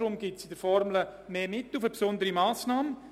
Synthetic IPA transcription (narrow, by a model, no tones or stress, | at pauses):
ɾʊmɡɪtsɪdəɾfɔɾmləmeːmɪtːlufəpsʊnd̪əɾimaːsnaːm